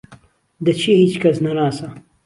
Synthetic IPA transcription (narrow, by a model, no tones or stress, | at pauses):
d̪ɐt͡ʃʰihiːt͡ʃkʰɐsnɐnaːsɐ